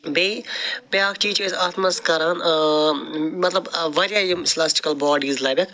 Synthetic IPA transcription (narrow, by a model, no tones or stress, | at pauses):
bepjaːkʰt͡ʃiːt͡ʃezat̪ʰmɐskɐɾan | mɐt̪lɐbʋɐɾjaːjimslaːsʈɪ̥kɐlbɔːɖiːzlaːbʲek